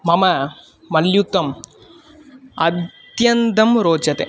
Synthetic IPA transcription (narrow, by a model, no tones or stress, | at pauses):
mɐmɐ | mɐljut̪ːɐm | ɐd̪jɐnd̪ɐmɾoːd͡ʒɐt̪ḛ